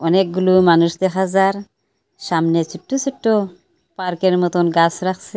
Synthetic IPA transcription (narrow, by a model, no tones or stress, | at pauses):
ɔnek̚ɡulumanuʃd̪ɛɦazaɾ | ʃamnet͡ʃuʈːusuʈːo | paɾkeɾmɔt̪ɔnɡasɾakse